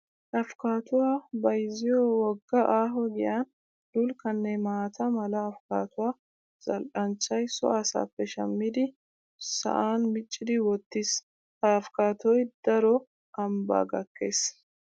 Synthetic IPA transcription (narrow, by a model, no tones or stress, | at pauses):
ʔɐfkaːt̪ʊwaːbɐjzɪjoːwɔɡːɐʔaːɦɔɡɪjaːn | d̪ʊlkɐnːɛmaːt̪ʰɐmɐlɐːfkaːt̪ʊwaː | z̥ɐlʔɐnt͡ʃːɐjsɔ̰ɐsa̰ːpːɛʃɐmːɪd̪ɪ | sɐ̰ʔaːnmɪt͡ʃʼːɪd̪ɪwɔt̪ːɪs | afkaːt̪ɔjd̪̥ɐɾɔ | ɐmba̰ːɡɐkːeːs